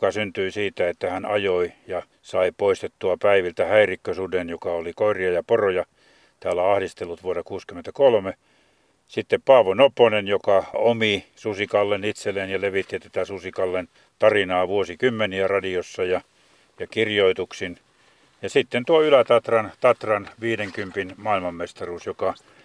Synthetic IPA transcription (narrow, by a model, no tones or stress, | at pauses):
okɑsynt̪yisiːt̪æet̪ːæhænɑjoijɑ | sɑipoist̪et̪ːuɑpæiʋilt̪æhæirikːøsudenjokɑolikoiriɑjɑporojɑ | t̪æːlːæɑhdist̪elːut̪ʋuorɑkuːskyment̪ækolme | sit̪ːeppɑːʋonoponenjokɑomisusikɑlːenit̪selːenjɑleʋit̪ːit̪æt̪æsusikɑlːen | t̪ɑrinɑːʋuosikymːeniærɑdiosːɑjɑ | jɑkirjoit̪uksin | jɑsit̪ːent̪uoylæt̪ɑt̪rɑnt̪ɑt̪rɑnʋiːdeŋkympinmɑːilmɑmːest̪ɑruːsjokɑ